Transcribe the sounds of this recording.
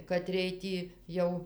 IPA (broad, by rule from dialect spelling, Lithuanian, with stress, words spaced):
kɐˈtʲrʲiɛj ˈtʲiː ˈjɛʊ